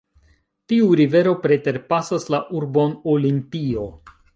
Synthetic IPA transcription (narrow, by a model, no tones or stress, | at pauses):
tiuɾive̞ɾo̞pɾe̞te̞ɾpasaslaʔuɾbo̞nolimpio̞